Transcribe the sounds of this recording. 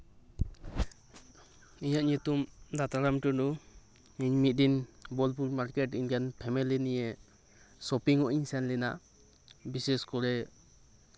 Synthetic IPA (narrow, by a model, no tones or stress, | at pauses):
iɲaʔɲit̪umd̪at̪aɾamʈɔdɔ | iɲmit̪̚dinbɔlpuɾmaɾkɛtiɲkanpʰɛmɛlinijɛ | sɔpiŋɔʔiɲsɛnlɛna̰ʔ | bisɛskɔɾɛ